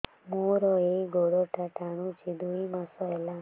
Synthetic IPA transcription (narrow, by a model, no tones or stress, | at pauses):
muɾɔeɡoɽɔʈaʈaɽ̃ũt͡ʃʰid̪uimasɔela